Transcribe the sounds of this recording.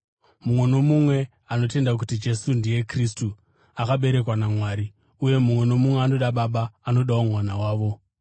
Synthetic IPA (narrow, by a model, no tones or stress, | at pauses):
mumwe̞no̞mumwe̞ | ano̞te̞ndak̬utid͡ʒe̞sundije̞kristu | akaɓe̞ɾe̞kwanamwaːɾi | uje̞mumwe̞no̞mumwe̞ano̞ɗaɓaɓaːno̞ɗawomwanawaːʋo̞